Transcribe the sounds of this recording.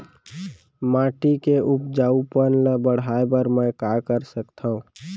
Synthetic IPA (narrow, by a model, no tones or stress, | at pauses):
mãːʈikeʔupd͡ʒaːupənləbəɽaːebəɾməkakəɾsəkt̪ʰaɦũ